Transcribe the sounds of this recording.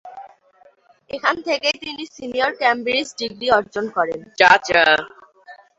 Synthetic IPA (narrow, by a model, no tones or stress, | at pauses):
ekʰant̪ʰekejt̪inisinioɾkɛmbiɾisɖiɡɾiɔɾd͡ʑonkɔɾent͡ɕat͡ɕa